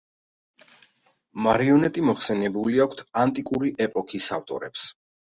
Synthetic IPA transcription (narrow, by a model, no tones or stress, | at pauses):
maɾiɔnɛt̪ʼimɔχsɛnɛbuliakʷʰt̪ʰant̪ʼikʼuɾiʔɛpʼɔkʰisavt̪ʼɔ̰ɾɛps